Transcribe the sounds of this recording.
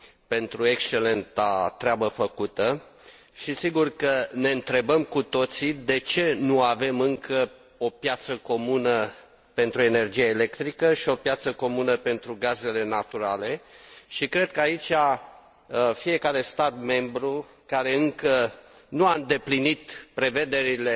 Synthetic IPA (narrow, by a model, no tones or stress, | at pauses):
pe̞nt̪ɾue̞kst͡ʃe̞le̞nt̪at̪ɾeabəfəkut̪ə | ʃisiɡurkəne̞ɨnt̪ɾe̞bəmkut̪o̞t̪sid̪e̞t͡ʃe̞nuave̞mɨŋkʰə | o̞pjat̪səko̞munə | pe̞nt̪ɾue̞ne̞rd͡ʒijaele̞kt̪ɾikəʃio̞pjat̪səko̞munəpe̞nt̪ɾuɡaze̞le̞nat̪uɾale̞ʃikɾe̞d̪̚kəait͡ʃa | fije̞kaɾe̞st̪at̪me̞mbɾu | kaɾe̞ɨŋkə | nuaɨnd̪e̞plinit̪pɾe̞ve̞d̪e̞ɾile̞